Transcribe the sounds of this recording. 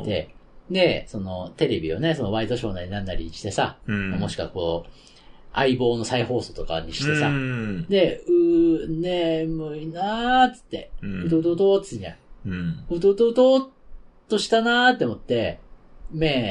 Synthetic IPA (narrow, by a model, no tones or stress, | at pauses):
t̪e̞̰d̪e̞so̞no̞t̪e̞ɾe̞bʲio̞̰ne̞so̞no̞βait̪o̞ɕo̞ːnaɾʲinãnːaɾʲḭɕi̥t̪e̞samamo̞ɕi̥kβa̰ko̞ː | aibo̞ːno̞saiho̞ːso̞ːt̪o̞ka̰ɲ̟iɕi̥t̪e̞sa̰d̪e̞ɯ̟nemɯinat͡sɨ̥t̪ːe̞̰ɯ̟t̪ot̪ot̪oɨ̥eɲd͡ʑã̰ | ɯ̟t̪ot̪ot̪oːt̪ːo̞ɕi̥t̪anat̪ːe̞omo̞t̪ːe̞ | meː